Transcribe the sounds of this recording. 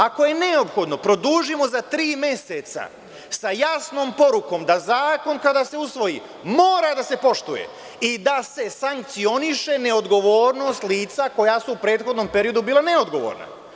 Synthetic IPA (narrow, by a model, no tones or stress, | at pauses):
ako̞je̞ne̞o̞pxo̞d̪no̞pɾo̞d̪uːʒimo̞zat̪ɾiːmje̞set̪sa̰ | sajasno̞ːmpo̞ɾuko̞ːmd̪azaːko̞nkad̪aːse̞usʋo̞jḭː | moːɾad̪ase̞po̞ʃt̪ujḛ | id̪ase̞saŋk̚t̪sio̞niʃe̞ne̞o̞d̪ɡo̞ʋoːɾno̞ːst̪liːt̪sako̞jasuupɾe̞ːd̪xo̞d̪no̞ːmpe̞ɾijo̞d̪ubiːlˠane̞o̞d̪ɡo̞ʋo̞̰ːɾna̰